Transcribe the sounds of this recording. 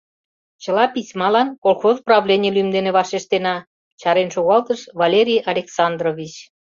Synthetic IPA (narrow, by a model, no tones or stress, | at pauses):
t͡ɕə̆lɑpisʲmɑlɑnkolˠxozprɑβlʲenʲelymd̪eneβɑʃeʃt̪enɑ | t͡ɕɑɾenʃoɣɑlt̪əʃvɑlʲeɾʲijɑlʲeksɑnd̪rovʲit͡ɕ